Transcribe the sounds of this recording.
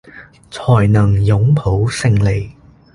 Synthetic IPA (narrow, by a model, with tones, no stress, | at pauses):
t͡sʰɔː˨˩jnɐ˨˩ŋjʊ˨˥ŋpʰo˨˥wsɪ˧ŋle˨˩j